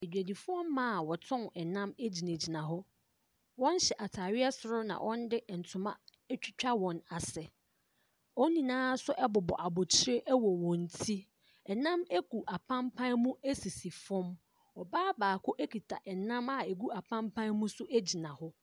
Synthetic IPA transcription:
e˨dɥæ˨di˨fʊ˦ɔ̃˦mːã˦˨wɔ˨tʰɔ̃˦nɛ˨nã˦me˦d͡ʑi˨næ̃˨d͡ʑi˨nã˨ɦʊ˦ | wɔ̃˦n˦ɕɛ˨ʔa˨tʰaː˨ɥɪ˦ɛ˦sʊ˨ɾʊ˦nã̰˨wʔɔ̃˦n˦dɪ˦n̩˨tʰʊ˨mã̰˦ | t͡ɕᶣɪ˦t͡ɕᶣa˦wɔ̃˨na˨sɛ˨ | ɔ̃˦nːĩ˨nãː˦sʊ˦ʔɛ˦bʊ˨bɔ̰˨ʔa˨bʊ˨t͡ɕʰɪ˦ɾɪ˦ʔɛ˦wɔ˨wɔ̃˨n˨tʰi˦ | ɛ˨nã˦mɛ˦ɡu˨ʔa˨pʰã˦mpʰã˦nmũ˦æ˦si˨si˨fɔ̃˦m | ɔ˨baː˦baː˨kʰʊ˦ʔæ˦kʰi˨tʰa˨ʔɛ˨nã˦ma˨e˨ɡu˦a˨pʰã˦mpʰã˦nmũ˦sʊ˦ʔæ˦d͡ʑi˨nã˨hʊ˦

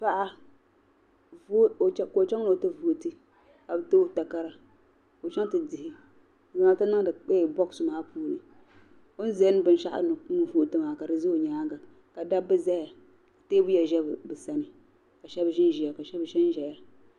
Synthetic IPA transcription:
pa˦ʔa˦ | vt͡ʃko˨t͡ʃɛ˦ŋ˦no˨o˨tɨ˦vu˦˨tɨ˦ | ka˨bɨ˦tɨ˦ta˨ka˦ɾa˨ | o˨t͡ʃɛ˦ŋ˦tɨ˨dɪ˨hɪ˦˨ | za˨a˨˦ta˦na˦ŋ˦dɨ˨k͡pe˦˨bɔ˦ksʊ˨maː˦puː˦nɨ˨ | o˦n̩˦zɛ˦n˦bɨ˨n˦ʃa˦ʔa̰˦nɨ˨˦nu˦vu˦ʔtɨ˦maː˨ka˨dɨ˨ze˦o˨ɲaː˦ɡa˨ | ka˨da˦bɨ˦za˦ja˨ | te˦bu˦ja˨ʒɛ˦bɨ˨bɨ˨sa˦nɨ˨ | ka˨ʃɛ˦bʒɪ˦n˦ʒi˨a˨ka˨ʃɛ˦bʃɛ˦n˦ʒɛ˨ja˦

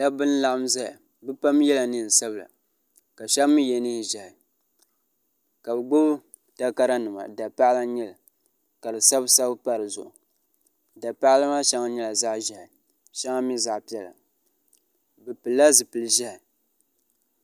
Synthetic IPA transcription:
da˦bɨ˦n˦la˦ʔa˦mza˦ja˨ | bɨ˦pa˦m˦jɛ˦la˨nɨ˦˨n̩˨sa˦bɨ˨la̰˨ | ka˨ʃa˦mːɨ˦jɛ˨nɨ˦hʒɛ˨hɪ˨ | ka˨bɨ˨ɡ͡bʊ˦b | ta˦ka˦ɾa˦nɨ˨ma̰˨da˨pa˦la˦ɲɛ˦la˨ | ka˨dɨ˨sa˦bsa˦bpa˦ɾɨ˨zʊ̰˨ʔʊ˨ | da˨pa˦ʔla˦ma˦ʃa˦ŋa˦ɲɛ˦la˨za˦ʔʒɛ˨hɪ˨ | ʃa˦ŋa˦mi˦za˨ʔpi˦ɛ˨la̰˨ | bɨ˨pɨ˨lːa˦zɨ˨pɨ˨lɨ˨ʒɛ˦hɪ˨

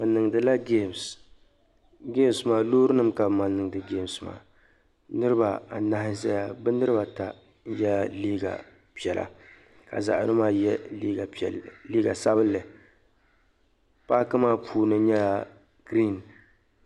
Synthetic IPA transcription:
bɨ˨nɨ˨ŋ˨dɨ˨la˦ɡe˦˨ms | ɡe˦m˦smaː˨loː˦ɾɨ˦nɨ˦mka˨bma˨nːɨ˨ŋ˨dɨ˨ɡe˦˨msma̰ː˨ | nɨ˦ɾɨ˦ba˨a˨na˦hɪ˦zɛ˦ja˦bɨ˦nɨ˦ɾɨ˦ba˨ta˨˦ | jɛ˦lliː˦ɡa̰˨ | pi˨ɛ˨lʔa̰˨ | ka̰˨za̰˨ʔa˨nɨ˦maː˦jɛ˦i˦˨liː˦ɡa˨sa˦bɨ˦lːɨ˨ | paː˦kɨ˦maː˦pʰuː˨nɨ˦ɲɛ˦la˨ | ɡɾi˦˨n

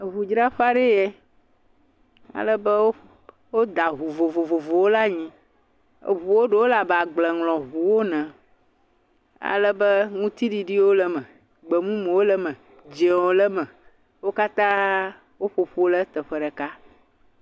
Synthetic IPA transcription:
ɦu˨d͡ʒɾa˦ɸa˦ɖe˦jɛ˦ | a̰˨lə˦bɛ˦wo˦ | wo˦d̪a˨ɦu˨vo˨vo˨vo˨vo˨wo˦la˦ɲĩ˦ | ḛ˨βu˨wo˦ɖe˦wo˦la˨ba˨ɡ͡blɛ˨ŋlɔ̃˨ɦu˨wo˦nɛ̃˨ | a̰˨lə˦bə˦ŋũ˦t̪i˦ɖi˨ɖi˦wo˦lɛ˦mɛ̃˨ | ɡ͡bɛ˨mũ˦me˨wo˦lə˦mɛ̃˨ | d͡ʒe˨wo˨lə˦mɛ̃˨ | wo˦ka˦t̪ã˦ | wo˦ɸo˨ɸo˦lə˦t̪ɛ˨ɸə˦ɖɛ˨ka˦

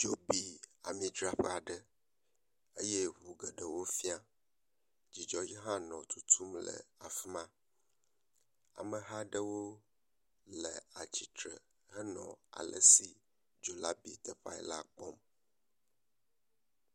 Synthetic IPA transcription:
d͡ʒo˦bi˨a̰˨mĩ˨dɾa˦ɸɛ˦a˨ɖə˦ | e˦je˦ɦu˨ɡə˨ɖə˨wo˦fi˦a˦ | d͡ʑi˨d͡ʒɔ˦ji˦ɦã˦nɔ̃˨t̪u˦t̪ʰu˦mlə̰˨a˨fi˦mã˦ | a̰˨mə˨ɦa˦ɖə˦wo˦ | lə˨a˨t͡ɕi˨t̪ɾə˨ | ɦə˦nɔ̰̃˨a̰˨lʔə̰˦si˨ | d͡ʒo˨la˦bi˨t̪ə˨ɸa̰˦ɛ˨la˦k͡pɔ˦m

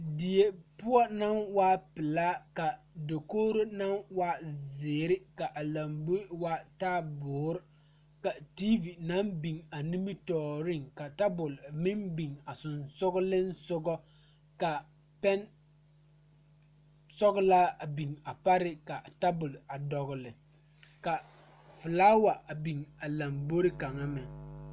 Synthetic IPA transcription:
di˨je˨pʊ˦ɔ˦na˦nwa˦pɪ˨la˦ka˨ | do˨koː˦ɾo˦na˦nwa˦zɪː˨ɾɪ˦ka˨ʔa˨la˨mbu˦wa˦taː˦bʊː˨˦ɾ | ka˨ti˦vi˨na˦mbi˨ŋa˨ni˦mi˦tɔː˨ɾɪ˦ŋka˨ta˦bʊ˨lmɪ˦nbi˨ŋa˨sʊ˨nsʊ˦ɣʊ˦lɪ˦n˦sʊ˦ɡɔ˦ | ka˨ | pɛ˦n | sɔ˦ɣʊ˦laː˦a˨bi˨ŋa˨pa˦ɾɪ˦ka˨ta˦bʊ˨la˨dɔ˨ɣʊ˨lɪ˨ | ka˨ | fʊ˨laː˦wa˨a˨bi˨ŋa˨la˨mbo˦ɾɪ˦ka˨ŋa˦mɪ˨

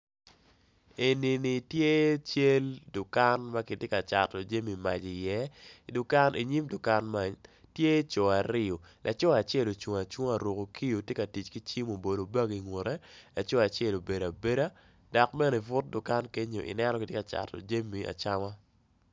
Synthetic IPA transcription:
e˨ni˨ni˨tje˦t͡ʃe˦ldʊ˨ka˦nma˦ki˨tje˦ka˨t͡ʃa˨tɔ˨d͡ʒe˦mi˨ma̰˨d͡ʒi˨jɛ˦dʊ˨ka˦nʔi˨ɲi˦mdʊ˨ka˦nma˨tje˦t͡ʃo˨a˨ɾɪ˦o˨lʔa˨t͡ʃɔ˦a˨t͡ʃɛ˦˨lo˨t͡ʃwo˨ŋa˨t͡ʃwo˦ŋa˨ɾo˨ko˨ki˦jo˨tje˦ka˨ti˨t͡ʃki˦t͡ʃi˦mo˨bo˨do˨ba˦ɡi˨ŋwo˨ɾe˦la˨t͡ʃɔ˦a˨t͡ʃɛ˦˨lo˨be˨ɾa˨be˦ɾa˦ | da˨kmɛ˦ne˨vʊ˦t̚dʊ˨ka˦nke˦ɲo˨ʔḭ˨nɛ˦nɔ˦ki˨tje˦ka˨t͡ʃa̰˨tɔ̰˨d͡ʒe˦mi˨a̰˨t͡ʃa˦ma˦

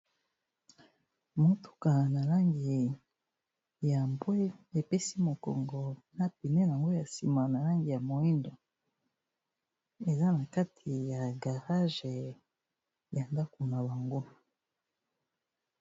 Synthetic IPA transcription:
mo˨tu̥˨ka˨na˨la˦ŋɡi˨ | ja˨mbwe˦e˨pe˦si˦mo˨kɔ̰˨ŋɡɔ˨na˦pi˨ne˦na˨ŋɡo˦ja˨si˨ma˨na˨la˦ŋɡi˨ja˨mo˨i˦ndo˨ | e˨za˦na˨ka˦tʰi˨ja˨ɡa˨ʁa˦ʒe˨ | ja˨nda˦ko˨na˨βa˨ŋɡo˦

